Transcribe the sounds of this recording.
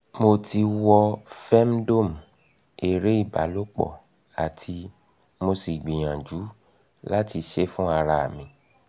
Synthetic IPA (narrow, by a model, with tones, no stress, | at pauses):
mo˧ti˧wɔ˧fɛ˦m˦do˦˨m˨ | e˨ɾe˦i˦˨ba̰˨˦lo˦k͡pɔ̰˦˨ | a˨tʰi˧ | mo˧si˨ɡ͡bĩ˨j̃ã˨d͡ʒu˨˦ | la˦ti˧ʃe˦fũ˦a˧ɾa˧a̰˨mĩ˧